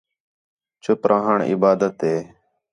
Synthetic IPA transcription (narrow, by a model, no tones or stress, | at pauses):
t͡ʃʊpɾãːɦəɳɪ̰baːd̪ət̪eː